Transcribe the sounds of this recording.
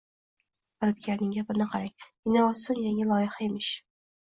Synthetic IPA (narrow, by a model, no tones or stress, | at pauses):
ɾɪp̚kʲʰaɾnɪŋɡʲapɪnɪqʰɑɾaŋ | ɪnaɒsʊnjaŋʲɪlˠɒjɪχaemɪʃ